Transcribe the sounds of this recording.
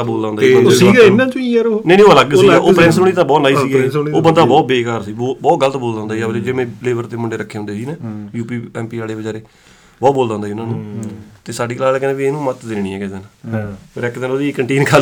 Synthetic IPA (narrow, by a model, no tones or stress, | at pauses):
aboːld̪aːɦnd̪isiːɡɛɪnːãːt͡ʃoiːɛɾonẽːnĩːoːələɡiːɛʔoːpɾɛ̃ːnsõːɳiːt̪ãːbɔːt̪naːiːsiːɡɛsooːbənd̪aːbɔːt̪̚beːkaːɾsiːboːbɔːt̪̚ɡələt̪boːld̪aːʊnd̪ːɦiːaːd͡ʒɪmẽːleːʋəɾt̪eːmʊɳɖeːɾəkʰːeːɦʊ̃nd̪eːsiːnɛːjuːpiːɛːmpiːaːɽeːbəd͡ʒaːɾeː | bɔːboːld̪aːʊnd̪aɦiʊnaːnũːt̪eːsaːɖiːkəlaːleːkɛ̃neːʋienũːmət̪d̪ɪːɳĩːɛːkɛːd̪eːnːpʰɪːɾɛkːd̪eːnoːd̪iːkəɳʈiːnkʰaː